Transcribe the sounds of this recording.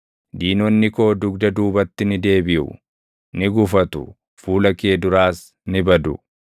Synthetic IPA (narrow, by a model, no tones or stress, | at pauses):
d̪iːnɔnːɪko̞ːd̪ʊɡd̪ɐd̪uːbɐt̪ːɪnɪd̪e̞ːbɪʔʊ̰ | nɪɡʊfɐt̪ʊ̰ | fuːlɐke̞ːd̪ʊɾaːs | nɪbɐd̪ʊ